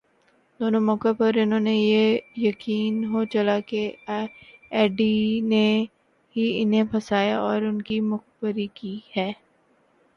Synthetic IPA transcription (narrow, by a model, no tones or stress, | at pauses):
d̪oːnomɔːkõpɐɾɪnɦõːnejejɐkiːnɦot͡ʃɐlake | ɛːɖine | ɦiɪnɦẽpʰɐsaːjaʔɔːɾʊnkimʊxbəɾikiːhɛː